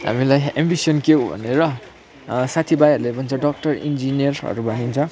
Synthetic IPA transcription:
ɦa̰milajembisʌnkewbʱʌ̰neɾʌ | sat̪ʰibajʌɾulebʱʌnt͡sʰʌ̃ɖʌk̚ʈʌrḭnd͡zinijʌrʌ̰ɾubaɦint͡sʰʌ

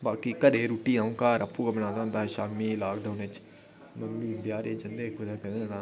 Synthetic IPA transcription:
baːkikəd̪eːɾuːʈiːãːũːkaːɾəpːuːɡabəñãːnd̪aːʊnd̪aːʃaːmiːlaːkɖaːnɪt͡ʃ | nəmĩːbjaːɾeːd͡ʒə̃nd̪eːkʊɾaːkɛ̃nd̪ẽːnaː

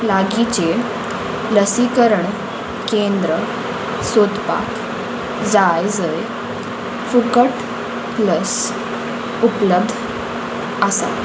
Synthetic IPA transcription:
laɡit͡ɕe | ləsikəɾəɳ | kend̪ɾə | sod̪pa̰k | d͡zajd͡zəe | fukəʈ | pləs | upləbd̪ʱ | asa̰

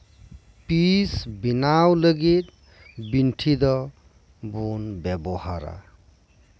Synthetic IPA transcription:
pisbinawləɡit̪̚ | binʈʰid̪ɔ | bunbɛbɔha̰ɾa̰

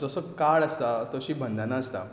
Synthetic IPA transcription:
d͡zəsəːkaɭəst̪at̪oɕiːbʱənd̪ʱanaəst̪a̰

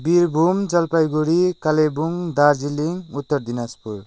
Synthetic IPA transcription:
biɾbʱumd͡ʒalpajɡuɽikalebuŋd̪ad͡ʒiliŋut̪ːɔɾd̪inaspuɾ

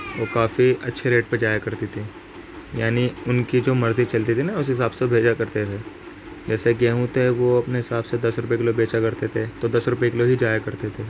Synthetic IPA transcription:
ʋoːkaːfiɐtːʃʰeɾeːʈ̚ped͡ʒaːjakɐɾt̪it̪ʰi | jaːniʊnkid͡ʒoːmɐɾzit͡ʃɐlt̪̬it̪ʰinɐʊs̬ɦɪsaːbsebʱeːd͡ʒakɐɾt̪et̪ʰeː | d͡ʒɛːseɡɛ̃ːɦũt̪eʋoɐpneɦɪsaːbsed̪ɐsɾʊpekɪlobʱeːt͡ʃakɐɾt̪et̪ʰet̪od̪ɐsɾʊpekɪloɦid͡ʒaːjakɐɾt̪et̪ʰeː

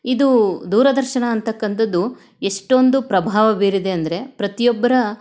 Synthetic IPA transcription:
id̪ud̪uːɾɐd̪ɐɾʃɐɳɐːnt̪ɐkːɐnt̪ɐd̪u | eʂʈo̞nd̪upɾɐbʱaːʋɐbeːɾid̪e̞ɐnd̪ɐɾe̞pɾɐt̪ijɔbːɐɾɐ

